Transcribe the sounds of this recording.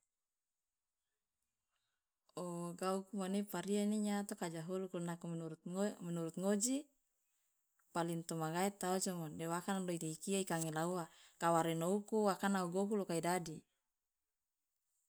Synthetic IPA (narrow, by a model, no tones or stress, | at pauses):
oɡaukumanipaɾianiɲat̪okad͡ʒaɦulukulnakuɾuminuɾut̪̚ŋod͡ʒi | palint̪omaɡaɛt̪ːaut͡ʃɔŋɔdɛwakanloit̪iikiaikaŋelauakawaɾenoukuwakanauɡoɦulokaidadi